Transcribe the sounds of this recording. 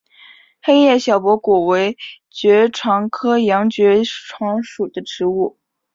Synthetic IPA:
xe˥jɛ˥˩ɕjɑ˨˩ʊpwɔ˧˥kɔ˨˩we˧˥ɪ | t͡ɕɥɛ˧˥ʈ͡ʂʰwɑ˧˥ŋkʰɤ˥jɑ˧˥ŋt͡ɕɥɛ˧˥ʈ͡ʂʰwɑ˧˥ŋʂu˨˩d̪ə˦ʈ͡ʂɻ̩˧˥u˥˩

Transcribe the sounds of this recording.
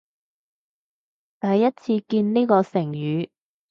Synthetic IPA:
t̪ɐ˨jːɐ˥t̚t͡sʰiː˧kiː˧nniː˥kɔː˧sɪ˨˩ŋjyː˨˧

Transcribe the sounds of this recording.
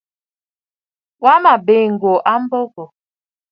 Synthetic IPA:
wa˦ma˨be˨ŋ̩˨ɡo˨ʔa˦m̩˦bo˦ɡo˨

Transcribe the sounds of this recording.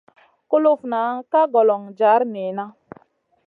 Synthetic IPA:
ku˦lo˦fna˨˦ka˦ɡɔ˨lɔ˨ŋd͡ʒa˨˦ɾne˨na˦

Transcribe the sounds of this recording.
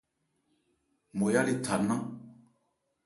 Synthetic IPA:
mɔ˨ja˦li˨tʰa˨nã˦

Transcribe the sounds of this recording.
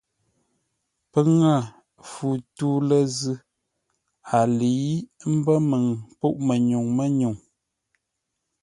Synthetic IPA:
pə˦ŋa˦˨ | fu˨tu˦lə˦zɨ˦ | a˨li˨˦m̩˦bə˦mə˨ŋpu˦˨ʔmə˨ɲu˨ŋmə˦ɲu˨ŋ

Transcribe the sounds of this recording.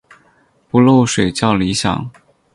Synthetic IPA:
pu˧˥lo˥˩ʊʂwe˨˩ɪt͡ɕjɑ˥˩ʊli˧˥ɕjɑ̰˨˩˦ŋ

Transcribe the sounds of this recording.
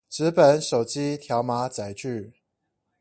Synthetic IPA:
ʈ͡ʂɻ̩˨˦pə˨˩˦nʂo˨˩ʊt͡ɕi˦t̪ʰjɑ˧˦ʊma˧˥˦t͡sa˨˩ɪt͡ɕy˥˨

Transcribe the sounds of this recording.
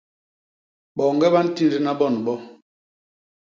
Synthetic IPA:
ɓɔ˨ŋ˦ɡɛ˦ba˦n̩˦ti˦n˦ɾi˦na˦ɓɔ˦˨n˨ɓɔ˦

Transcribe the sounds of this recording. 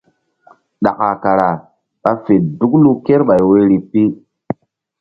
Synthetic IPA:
ɗa̰˨ka˨ka˨ɾa˨ | ɓa˦fe˨du˦klu˦ke˦ɾɓa˨jwe˦ɾi˨pi˦

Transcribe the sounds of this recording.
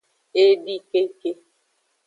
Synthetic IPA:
e˦di˦ke˦ke˦

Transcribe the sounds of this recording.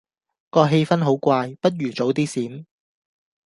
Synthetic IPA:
kɔː˧ɦe˧jfɐ˥nɦo˨˥wkʷaː˧jpɐ˥t̚jyː˨˩t͡so˨˥wt̪iː˥siː˨˥m

